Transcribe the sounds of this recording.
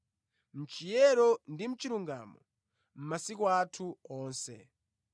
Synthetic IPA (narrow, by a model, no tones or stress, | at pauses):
m̩t͡ʃijɛɾɔndim̩t͡ʃiɾuŋɡa̰ːmɔ̰ | m̩masikwatʰuɔːnsɛ̰